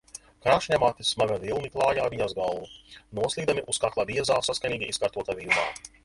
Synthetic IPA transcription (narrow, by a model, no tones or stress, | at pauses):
kɾaːʃɲʲamaːt̪ismaɡavilˠniklˠɑːjaːviɲazɡalˠvunuɔslˠiːd̪amʲiʔuskaklˠavʲiɛzaːsaskanʲiːɡʲiʔiskaɾt̪uɔt̪avima̰ː